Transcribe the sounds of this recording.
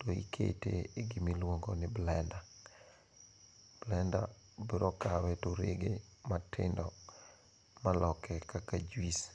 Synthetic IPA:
toḭkʰḛtḛeɡimilwoŋɡonɪblɛnda | blɛnda̰ | biɾɔkawɛtʊɾḛɡematʰɪ̰ndɔ | malɔkʰɛkakad͡ʒwis

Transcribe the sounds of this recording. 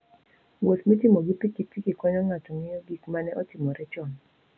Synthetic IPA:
wot̪metɪmoɡipikipikikɔɲɔŋatɔŋɪjoɡikmanɛʔɔtɪmɔɾɛt͡ʃɔn

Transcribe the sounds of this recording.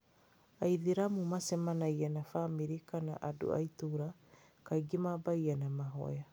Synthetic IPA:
aiðiɾamumasɛmanajanafamiɾikana̰ʔadṵa̰ituɾa | kaiɡimabajanamaɦo̰ja

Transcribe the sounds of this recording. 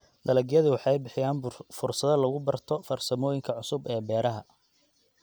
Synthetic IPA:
d̪ɐlɐɡjɐðɪwɑħɑjbɪħɪjaːnfʊrsɐðɐlɐɣʊbɐrt̪ʰɔfɐrsɐmɔːjɪŋkʰɐʕʊsʊbɛːbɛːɾɐɦɐ

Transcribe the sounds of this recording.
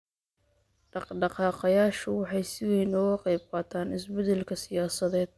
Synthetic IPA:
ɖɑɖɑqɑːqɑjaːʃʊwɑħɑjsɪwɛjnʊɣɐqɛjb̚qɑːt̪ʰaːnɪsbɛd̪ɛlkʰɐsɪjaːsɐðɛːd̪̚

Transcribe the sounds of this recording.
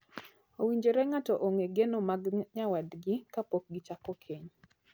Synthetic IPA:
owiɲd͡ʒeɾɛŋatɔʔoŋeɡenomaɡɲawadɡɪkapok̚ɡɪt͡ʃakɔkʰeɲ

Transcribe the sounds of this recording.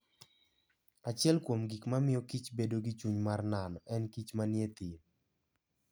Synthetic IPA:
at͡ʃɪɛlkwomɡikmamɪjɔkit͡ʃbedoɡɪt͡ʃuɲmarnanɔɛnkit͡ʃmanjet̪i

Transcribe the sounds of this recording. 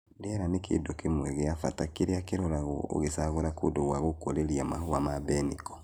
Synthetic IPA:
ndɛɾanekʰḛdokemwɛɣeafatakeɾeakeɾɔɾaɣo̰o̰ɣesaɣoɾakodoɣwaɣokoɾeɾiamahuamabɛnikɔ̥

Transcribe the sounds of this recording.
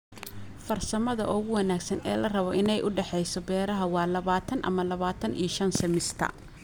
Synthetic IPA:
fɐrsɐmɐðɐ̰ʔʊɣʊwɐnaːɡsɐnɛ̰ːlɐrɐβɔʔɪnɛjʔʊɖɛħɛjsɔbɛːɾɐɦɐwɑːlɐβaːt̪ʰɐnʔɐ̰mɐlɐβaːt̪ʰɐnʔḭjɔʃɐnsɐmɪst̪ʰɐ̰

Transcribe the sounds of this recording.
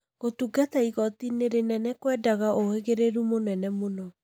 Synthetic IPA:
ɣotuɡataiɣɔtineɾenɛnɛkwɛːdaɣaʔoheɣeɾeɾumonɛnɛmonɔ

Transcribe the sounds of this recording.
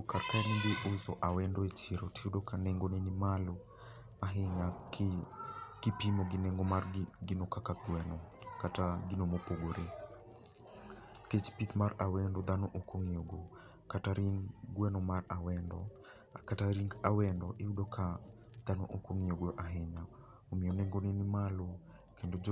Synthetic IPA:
karkanid̪eʔuzɔʔawɛndɔet͡ʃiɾoteudokanɛŋɡonenimalo | maɦɪɲak | ɡ̥ipimoɡinɛŋɡomarɡinokakaɡwɛnɔkataɡinomopoɡoɾe | ket͡ʃpit̪marawɛndɔd̪anoʔokoŋijoɡo | kataɾiŋɡwɛnɔmarawɛndɔ̰ | a̰kataɾiŋɡawɛndɔʔeudɔkʰa | d̪̥anoʔokoŋioɡoʔaɦɪɲa | omɪjɔnɛŋɡonenimalo | kendod͡ʒ

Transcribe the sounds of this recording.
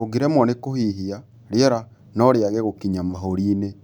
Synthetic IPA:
oɡeɾɛmwɔnekohiɦia | ɾjɛɾa | nɔɾeaɣɛɣokiɲamaɦoɾiːne

